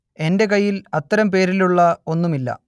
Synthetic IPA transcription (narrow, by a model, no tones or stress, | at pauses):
e̞nde̞kɐjːilɐt̪ːɐɾɐmpe̞ːɾiluɭːɐo̞nːumilːɐ̰